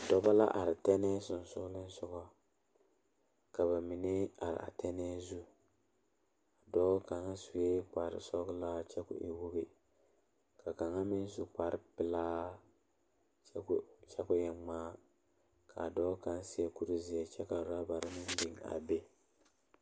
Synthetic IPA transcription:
dɔ˦ba˦la̰˦ʔa˨ɾɪ˨tɛ˦nɛ˦sʊ˨n˨sʊ˦lɪ˦n˦sʊ˦ɡɔ˦ | ka˨βa˨mi˨ne˦a˨ɾɪ̰˨ʔa̰˨tɛ˦nɛ˦zu˦ | a˨dɔː˦ka˨ŋa˦su˨e˦k͡pa˨ɾɪ̰˨sɔ˦ɡʊ˦la˦t͡ʃɛ˦kʊ̰˨ʔe˨wu˦ɡe˦ | ka˨ka˨ŋa˦mɪ˦n˦zu˦k͡pa˨˦ɾɪ˦pɪ˦laː˦ | t͡ʃɛ˦kʊ˦jɛ˨ŋ͡maː˦ | kʰa˨dɔː˦ka˦nsɪ˦a˨ku˦ɾu˦zɪ˨a˨t͡ʃɛ˦ka˨ʊ˨ɾa˦ba˨ɾɪ˦mɪ˦n˦dɪ˨ŋa̰˨be˦

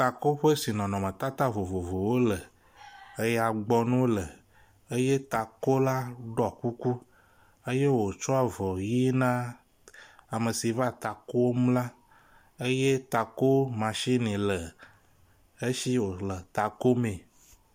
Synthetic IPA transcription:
t̪a˨ko˦ɸe˦si˨nɔ̃˨nɔ̃˨mə̃˨t̪a˦t̪a˦vo˨vo˨vo˨wo˦lə˨ | ə˦ja˨ɡ͡bɔ˦nũ˦wo˦lə˨ | e˦je˦t̪a˨ko˦la˦ɖɔ˨ku˦ku˦ | ə˦je˦wo˨t͡ʃɔ˦a˨vɔ˨ji˦nã˦ | a˨mə˨si˨va˦˨t̪a˨ko˦wo˦mũ˦la˦ | e˦je˦t̪a˨ko˦mã˨ʃi˦nĩ˨lə˨ | e˦ʃi˦wo˨lə˨t̪a˨ko˦mẽ˨

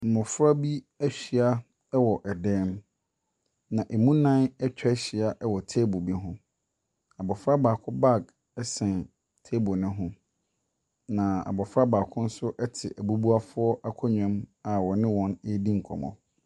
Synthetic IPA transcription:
m̩˨mʊ̃˨fɾa˦bi˦ | æ˦ɕᶣi˨a˦ | ɛ˦wɔ˨ʔɛ˨dɛː˦m | nã˨ʔe˨mũ˦nã˦nɛ˦t͡ɕᶣʰɛ˦ɕɪ˨a˦ʔɛ˦wɔ˨tʰeː˦bo˨bi˦ɦʊ̃˦ | a˨bɔ˨fɾa˦baː˨kʰʊ˦ba˦˨ɡ | ɛ˦sɛ̃˨n | tʰe˦bo˨nʊ̃˦ɦʊ̃˦ | nã˨a̰˨bɔ˨fɾa˦baː˨kʰʊ̃˦n̩˦sʊ˦ʔɛ˦tʰɪ̰˨ʔæ˨bu˦bu˦a˦fʊ˦ɔ˦ʔa˦kʰɔ˦ɲᶣã˦ma˨wɔ˨nɪ̃˦wɔ̃˦ne˦dĩ˦ŋ̩˨kʰɔ̰˨mɔ̰̃˨

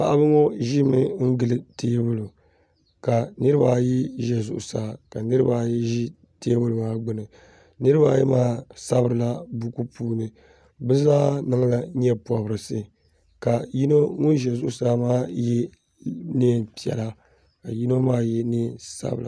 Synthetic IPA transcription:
pa̰˨ʔa˦bɨ˦ŋɔ˦ʒi˦mɨ˦ŋ̩˦ɡɨ˨lɨ˨tʰeː˦bʊ˦lu˨ | ka˨nɨ˦ɾɨ˦ba˦˨ji˦ʒɛ˨zʊ̰˨ʔʊ˨saː˨ka˨nɨ˦ɾɨ˦baː˦ji˦ʒi˦ | teː˦bʊ˦lɨ˨maː˦ɡ͡bɨ˦nɨ˨ | nɨ˦ɾɨ˦ba˦˨jɛ˦maː˦sa˦bɨ˨ɾɨ˨la˦bu˦ku˦puː˦nɨ˨ | bɨ˦zaː˦nɨ˦ŋla˨ɲɛ˦pɔ˨bɨ˨ɾɨ˨sɨ˦ | ka˨ji˦no˦ŋu˦ʒɛ˨zʊ˦ʔʊ˨saː˦maː˦jɛ˦ | nɨː˦˨pi˨ɛ̰˨la˦ | ka˨ji˦no˦maː˦jɛ˦nɨ˦˨sa̰˦bɨ˨la˨

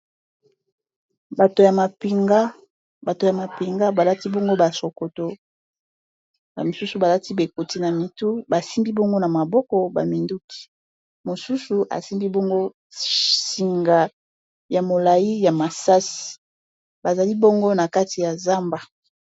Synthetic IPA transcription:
ba˨to˨ja˨ma˨pi˨ŋɡa˦ | ba˨to˨ja˨ma˨pi˨ŋɡa˦ba˨la˦ti˦bo˦ŋɡo˦ba˨so˨ko˨to˨ | ba̰˨mi˨su˦su˨ba˨la˦ti˦be˨ko˨ti˦na˨mi˨tu˦ba˨si˦mbi˦bo˦ŋɡo˦na˨ma˨bɔ˦kɔ˨ba̰˨mi˨ndu˦ki̥˦ | mo˨su˦su˨ʔa̰˨si˦mbi˦bo˦ŋɡo˦ | si˨ŋɡa˨ | ja˨mo˨la˨ji˦ja˨ma˨sa˦si̥˨ | ba˨za˨li˦bo˦ŋɡo˦na˨ka˦ti˨ja˨za˦mba˨

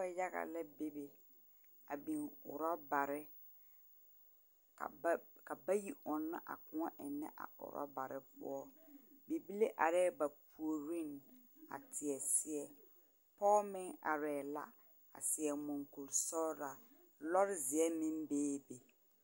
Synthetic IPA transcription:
a˦ja˦ɣa̰˨lɛ˦be˦be˨ | a˨bi˨ŋʊ̰˨ɾɔ˦ba˨ɾɪ˦ | ka̰˨ka˨ba˦ji˦ʔʊ˨nːa̰˦ʔa̰˨kʊ˨ŋɔ˦ʔɪ˨nːɛ̰˦ʔa̰˨ʊ̰˨ɾɔ̰˦ba˨ɾɪ˦pʊ̰˦ɔ˦be˨bi˦le˦ʔa˨ɾɛ˦ba˨pu˨o˨ɾi˦˨n | a̰˨tʰɪ˨ɛ˨sɪ˦ɛ˨ | pɔː˦mɪ˦ŋa̰˨ɾɛː˨la̰˦ | a̰˨sɪ˨ɛ˨mʊ˨ŋku˨lsɔ˦ɾa˨ | lɔ˦ɾɪ˦zɪ˨ɛ˦mɪ˦nbeː˦be˨

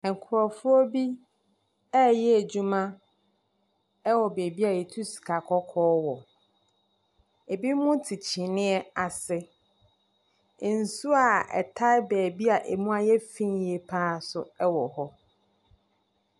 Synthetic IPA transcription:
ɛ˨ŋ̩˨kʰʊ˨ɾɔ˨fʊ˦ɔ˦bi˦ | ɛ˦jɛ˦æ˨d͡ʑu˦mã˦ | ɛ˦wɔ˨bɛː˨bi˦a˨jɛ˨tʰu˦si̥˨kʰa˨kʰɔ˦kʰɔː˦wɔ˨ | e˨bi˦mʊ̃˦tʰi˨t͡ɕʰĩ˨nɪ̃˦ɛ˦a˨sɪ˦˨ | n̩˨su˦a˨ɛ̰˨tʰa˦bɛː˨bi˦a˨ʔe˨mũ˦a˨jɛ˦fĩ˦njɛ˨pʰaː˦˨sʊ˨ɛ˦wɔ˨hɔ˦

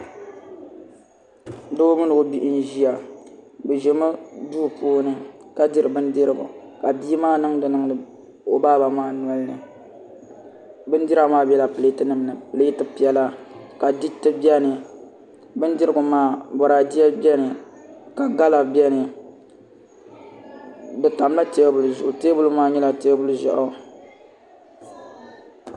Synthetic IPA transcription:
do˦mɨ˦nɨ˨o˦bi˦ʔn̩˦ʒi˦ja˨bɨ˨ʒɛ˨mɨ˦duː˦˨poː˦nɨ˦ka˦dɨ˦ɾɨ˨bɨ˦ndɨ˦ɾɨ˦ɡʊ̰˨ | ka˨bi˦maː˦nɨ˦ŋdɨ˨nɨ˦ŋ˦nɨ˨ | o˨baː˦ba˨maː˦n˨ɔ˨˦lnɨ̰˨ | bɨ˦n˦di˦ɾa˦maː˦bɛ˦la˨pɨ˨le˦tɨ˦nɨ˨mnɨ˨pɨ˨lɨ˦tɨ˦pi˨˦ɛ˦la˦ka˨di˦tɨ˦bi˦ɛ˦nɨ˨ | bɨ˦ndɪ˦ɾɨ˦ɡʊ˨maː˦bɔ˨ɾaː˨di˦jɛ˦bi˦ɛ˦nɨ˨ | ka˨ɡa˦la˨bɛ˦nɨ˨ | dɨ˨ta˨m˦la˦te˦bu˨lzʊ˨ʔʊ˨teː˦bʊ˦lʊ˦maː˦ɲɛ˦la˨te˦bʊ˦lʊ˦ʒa̰˨ʔʊ˦

